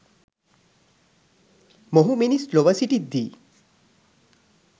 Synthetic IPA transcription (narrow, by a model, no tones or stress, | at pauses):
moɦuminisloʋəsiʈid̪ːiː